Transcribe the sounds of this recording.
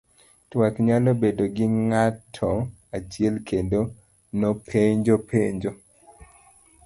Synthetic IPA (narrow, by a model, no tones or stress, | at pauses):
twakɲalɔbedoɡɪŋatʰɔ | at͡ʃɪɛlkʰendo | nɔpʰeɲd͡ʒopʰeɲd͡ʒo